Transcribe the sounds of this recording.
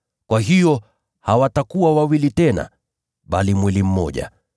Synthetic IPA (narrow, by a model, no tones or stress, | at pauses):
kwaɦijɔ | hawatakuwawawilitɛna̰ | ɓalimwilim̩mɔ̰ʄa̰